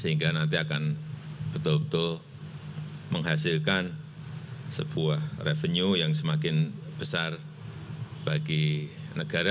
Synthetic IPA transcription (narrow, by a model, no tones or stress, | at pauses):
səɦiŋɡanant̪iakanb̥ət̪ʊlbət̪ʊl | məŋɦasɪlkan | səb̥uahrefəɲujaŋsəmakɪnb̥əsar | b̥aɡinəɡ̥aɾa